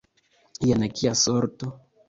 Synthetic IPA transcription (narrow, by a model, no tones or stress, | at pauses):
ijenekiasoɾt̪o